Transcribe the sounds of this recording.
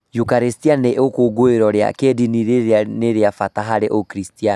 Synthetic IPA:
jukaɾestianeʔokoɡoeɾɔɾea̰kediniɾeɾeaneɾeafataɦaɾeʔokɾistian

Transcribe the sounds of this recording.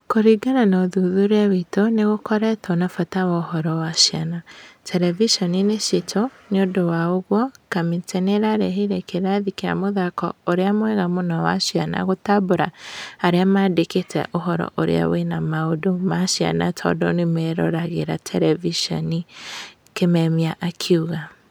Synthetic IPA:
koɾiɡananɔðuðuɾeawitoneɣokɔɾɛtʰɔnafatawɔohɔɾɔwaʃianatʰɛɾɛviʃɔnineʃetʰoneodowaoɣwɔkamitʰɛneɾaɾɛɦiɾɛkeɾaðikeɾa̰moðakɔ̰oɾeamwɛɣamonɔwa̰ʃiana̰ɣotaboɾaaɾeamaːdeketʰɛ̰ʔoɦɔɾɔ̰ʔoɾḛa̰wenamaodomaʃja̰natʰɔ̰dɔnemɛɾɔ̰ɾaɣeɾatʰɛɾɛviʃɔ̰ni | kemɛmiaʔakʰeuɣa

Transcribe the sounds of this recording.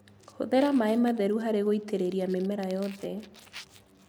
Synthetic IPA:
ho̰ðɛɾamaɛmaðɛɾuɦaɾeɣoiteɾeɾiamemɛɾajɔðɛ

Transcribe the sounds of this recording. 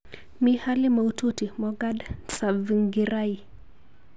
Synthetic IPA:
mihalimaututimɔɡadsaviŋɡiɾai

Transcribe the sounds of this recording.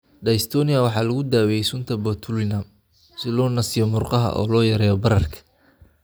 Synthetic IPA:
ɖɐɪst̪ʰɔːnɪjɐwɑħɑːlɐɣʊd̪aːwɛjɛjsʊnt̪ʰɐbɔt̪ʰʊlnam | sɪlɔːnɐsɪjɔmʊrqɑɦɐ̰ʔɔ̰ːlɔːjɐɾɛːjɔbɐɾɐrkʰɐ̥

